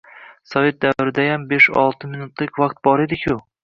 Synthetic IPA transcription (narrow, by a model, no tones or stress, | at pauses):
sɒve̞t̪̚d̪ævɾɪd̪ajambeʃɒ̰lˠt̪ʰɨmɪnut̪lɪkʲvɑqt̪̚bɒɾed̪ɪkʲʰʊ